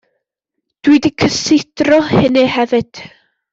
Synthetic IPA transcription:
d̥widikʰəsɪd̥rɔhɪnɨhɛvɨd̥

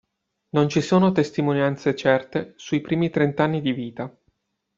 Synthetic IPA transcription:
nont͡ʃisoːnot̪est̪imonjant̪set͡ʃɛrt̪esuipɾiːmit̪ɾent̪anːid̪iviːt̪a

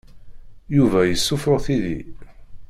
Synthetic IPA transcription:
juvæjəsːʊfɾʊʁθiðḭ

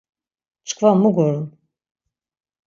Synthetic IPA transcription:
t͡ʃʰɨ̥kvammuɡoɾun

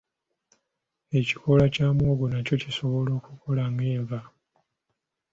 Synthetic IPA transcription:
e̞ciko̞lacaːmwoːɡunaco̞ciso̞βo̞lo̞ːkuko̞lameːɱva

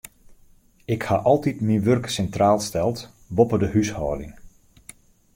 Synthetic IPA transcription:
ɪkhaʔɔlˠtitminʋørksɛntraːlˠstɛlˠt | ʋɔpədəhyshɔ̰ːdɪ̰ŋ

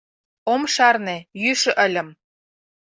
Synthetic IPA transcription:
omʃɑrnĕjyʃɤ̆ʔə̆lʲə̆m

